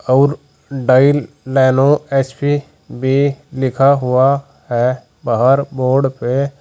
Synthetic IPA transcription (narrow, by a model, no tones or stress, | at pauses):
ɔːɾ | ɖaːɪlː | ɛːnoɛspi | bʱilɪkʰaɦʊa | ɦɛ | baːɦəɾboːɾɖpe